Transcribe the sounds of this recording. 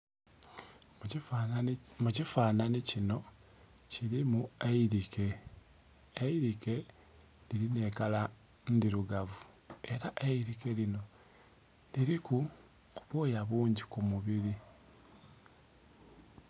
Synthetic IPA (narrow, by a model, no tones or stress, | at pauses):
mucifaːnanicino̞ | ciɾimueiɾike̞ | iɾike̞ | liɾine̞ːkala | ndiɾuɡavu | e̞ɾaʔeiɾike̞lino̞ | liɾiku | kuβoːjaβuːɲɟikumuβiɾi